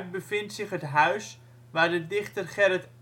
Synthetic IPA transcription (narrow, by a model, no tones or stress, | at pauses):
bəfɪntsɪχɦətɦœɥs | ʋaːrdədɪχtərχɛrət